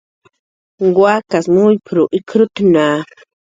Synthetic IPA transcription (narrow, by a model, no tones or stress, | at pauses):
ɡwakasmʊjpɾʊʔɪkʰɾʊt̪naː